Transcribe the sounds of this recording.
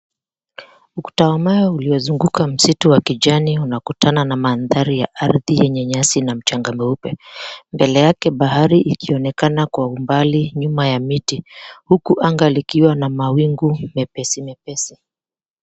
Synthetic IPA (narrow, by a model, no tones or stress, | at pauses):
uku̥tawamajɔuliɔzuŋɡukam̩situwakiʄaniunakutananamaːnðaɾija̰ʔaɾðijɛɲɛɲasinam̩t͡ʃaŋɡamɛupɛmbɛlɛjakɛɓaɦaɾiʔikiɔnɛkanakwaumbaliɲumajamitihukuʔaŋɡalikiwanamawiŋɡumɛpɛsimɛpɛsi